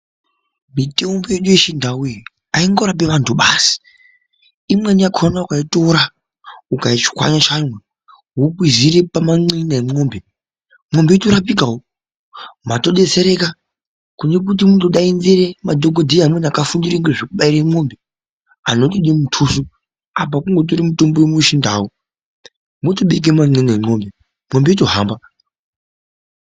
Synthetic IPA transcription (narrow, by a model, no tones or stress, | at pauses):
mite̞mbojeɗujeʃindʱawui | aiŋɡo̞ɾap̬e̞ʋantʰuɓasi̥ | imweniakʰonaukaitoɾa | ukait͡ʃi̥kwa̰ɲat͡ʃamwe | ɦukwiziɾepamaŋ͡ǀinaemo̞ːmbe | mo̞mbe̞itoɾapikao | mato̞ɗe̞t͡seɾe̞ka | kune̞k̬ut̬imutoɗainziɾemadʱoɡodʱiɦamwenakafundiɾeŋɡeʐekuɓaiɾaimo̞mbe | ano̞tiɗemutʰusu | ap̬akuŋɡo̞t̬oɾimuto̞mbowemuʃindaːwo | motoɓek̬emaŋ͡ǀenaeo̞mbe | mo̞mbeit̬o̞ɦaːmba